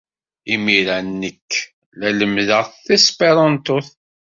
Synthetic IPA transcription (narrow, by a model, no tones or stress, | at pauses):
imiɾænːəkː | læləmðəʁθθisˤpeɾˤɑnt̪ʊθ